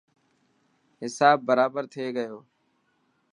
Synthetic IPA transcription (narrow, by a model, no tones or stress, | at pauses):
ɦɪsaːbːəɾaːbəɾt̪ʰeːɡəjoː